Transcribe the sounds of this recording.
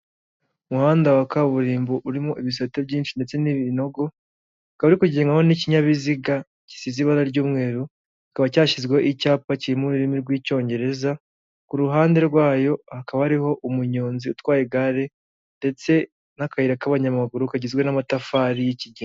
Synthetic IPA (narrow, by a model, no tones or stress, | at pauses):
umuhaːndawakaβuɾiːmboʔuɾimoʔiβis̬atebɟiːnt͡ʃinde̞t͡se̞niβinoɡo̞ | akaβaɾikuɟeːŋɡaho̞niciɲaβiziɡa | ci̥siziβaɾaɾɟuːmŋe̞ːɾu | ikaβacaːʃizɡweoʔicaːpaciɾimuɾuɾimiɾɡwiːco̞ːɲɟe̞ɾe̞za | kuɾuɦaːnde̞ɾɡwaːjo̞hakaβahaɾiho̞ʔumuɲo̞ːnziutwaːjeɡaɾe̞ | nde̞t͡se̞ | nakajiɾakaβaɲamaɡuɾukaɟizɡwe̞namatafaːɾijiciɟi